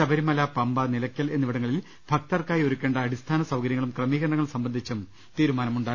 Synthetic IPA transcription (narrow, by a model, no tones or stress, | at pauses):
sɐbʱɐɾimɐlaːpɐmbɐnilɐkʲːɐle̞nːiʋiɽɐŋːɐɭil | b̥ʱɐk̚t̪ɐrkaːjo̞ɾukʲːeːɳɖɐːɽist̪ʰaːnɐsɐwkɐɾjɐŋːɐɭumkrɐmiːɣɐɾɐɳɐŋːɐɭsɐmbɐnd̪ʱit͡ɕːum | t̪iːɾumaːnɐmuɳɖaː